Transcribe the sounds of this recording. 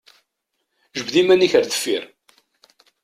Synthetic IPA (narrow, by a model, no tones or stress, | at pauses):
ʒəbðimæniçəɾðə̥fːiɾ